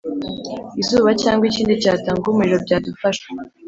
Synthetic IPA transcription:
izuːβacaːŋɡwiciːndicaːtaŋɡumuɾiɾo̞bɟaːdufaʃwe

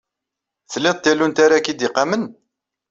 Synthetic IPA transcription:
θəlːɪð̚ˤt̪ːælːunt̪aɾakid̪iqːɑmən

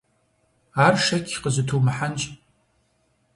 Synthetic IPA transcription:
aːrʂɐkʲʰqəzɨtʰuːmɨħant͡ʃʼ

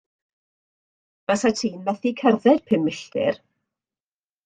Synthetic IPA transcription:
vasatʰiːnmaθikʰɛrðɛd̥pʰɪmːɪɬtɪ̰r

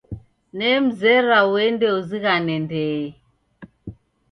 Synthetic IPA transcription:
nɛm̩zɛɾawɛndɛuziɣanɛndɛ

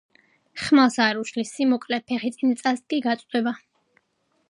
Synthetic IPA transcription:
χmasaɾuʃlisimɔkʼlɛpʰɛχit̪sʼint̪sʼasd̪̚ɡʼiɡat̪sʼqʼwɛba

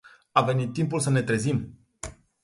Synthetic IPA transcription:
ave̞nit̪ːimpulsəne̞t̪ɾe̞zim

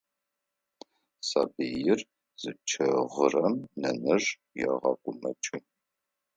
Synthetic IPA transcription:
sa̰bijɪr | z̥ɨt͡ʃʰɐʁərɐmnɐnɐʐ | jɛ̰ʁɐkʷʼʊmɐ̰t͡ʃʼɪ

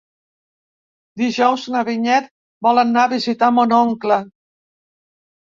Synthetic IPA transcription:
d̪iʒɔwznəβiɲɛt̪̚ | bɔlənːaβizit̪amonɔŋklə

